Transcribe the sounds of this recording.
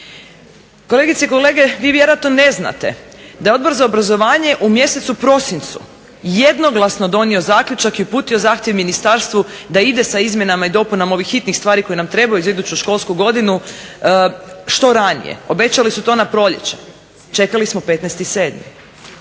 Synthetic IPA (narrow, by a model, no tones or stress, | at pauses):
kole̞ɡit̪seiko̞le̞ːɡe̞ʋiːʋjeɾoat̪none̞zna̰t̪ḛ | d̪ajo̞d̪bo̞ɾzaobɾazo̞ʋaːɲe̞ʔumje̞set̪supɾo̞sint̪sṵ | jed̪no̞ɡlˠasno̞d̪o̞nio̞zaːkʎut͡ʃakiupuːt̪io̞zaːxt̪jeʋminist̪aɾst̪ʋu | d̪aid̪e̞saizmje̞namaid̪o̞punamo̞ʋixːit̪nixst̪ʋaːɾiko̞jenamt̪ɾe̞bajuzaid̪uːt͡ɕuʃko̞lˠskuɡo̞d̪inu | ʃt̪o̞ɾanḭjḛo̞be̞t͡ɕalisut̪o̞napɾo̞ʎḛt͡ɕe | t͡ʃe̞kalismope̞t̪nɛst̪ise̞ːd̪mḭ